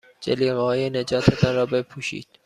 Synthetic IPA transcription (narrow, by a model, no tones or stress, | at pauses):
d͡ʒeliːɣehɒːjened͡ʒɒːt̪ʰet̪ʰɒnrɒːbe̞pʰuːʃḭːd̪̥